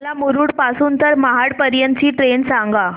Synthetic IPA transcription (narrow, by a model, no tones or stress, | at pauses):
lamuɾuːɽpasuːnt̪əɾmaɦaɽpəɾjənt͡ɕiːʈɾensãŋɡa